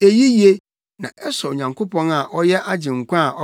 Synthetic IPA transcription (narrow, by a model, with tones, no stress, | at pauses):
e˨ji˦ji˦e˦ | nã˨ʔɛ˦sɔ˨ɲã˨ŋkʰo˦pʰɔ̃˦na˨ʔɔ˦jɛ˦ʔa˦d͡ʑɪ̃˨ŋ̩˨kʷʰã˦˨ʔɔ˦